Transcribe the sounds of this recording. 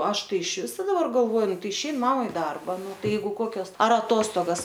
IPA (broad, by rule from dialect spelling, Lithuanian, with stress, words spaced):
ˈɐʃ ˈtɐɪ ɪʃʲˈʋʲɪsoː dɐˈbɐr ɡɐlˠˈʋoːjʊ ˈnʊ ˈtɐɪ ɪʃʲɛɪn ˈmɑːmɐ ɪ ˈdɐrbɐ ˈnʊ ˈtɐɪ ˈjɛɪɡʊ ˈkoːkʲoːs ˈɐr ɐˈtoːstoːɡɐs